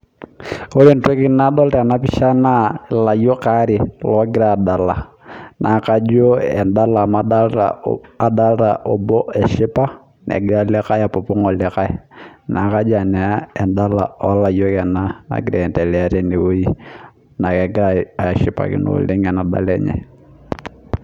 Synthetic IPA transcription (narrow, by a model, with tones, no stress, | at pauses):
o˦ɾe˦˨nto˦kɪ˦na˦dɔ˦ltɛ˦a˨na˦pɪ˦ʃa˦na˦la˨jo˦ka˦ɾɪ˨lɔ˨˦ɡɪ˦ɾaː˦˨da˨la˨ | nʔa˨ka˦d͡ʒo˦ɛ̰˨nda˦lama˦da˦lɾa̰a˨da˦lta̰˨ʔɔbɔ˦ɛ˨ʃɪ˦pa˦ | nɛ̰˨ɡɪɾalɛ˦ka˦ja˨pɔ˨pʊ˦ŋɔ˨lɛ˦ka˦ɛ˦na˨ka˦d͡ʒa˨nɛ˨ɛ˨nda˦la˨ɔ˦la˨jo˦kɛ˨na˦na̰˨ɡɪɾɛɛ˨ntɛ˨lɛ˨a˦ɾɛ˦ne˨wo˦i˦ | na˨kɛ˨ɡɪ˦ɾa˦a˨ʃɪ˨pa̰˨kɪ̰˨no̰˨lɪ˦ŋɛ˨na˨da̰˨lɛ˦ɲɛ̰˨